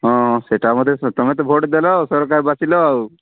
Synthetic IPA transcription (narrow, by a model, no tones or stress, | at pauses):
ɦɔ̃seʈamɔd̪ʱjet̪ɔmɛt̪̬ɔbʱoʈd̪elɔsɔɾkaɾbasilɔaw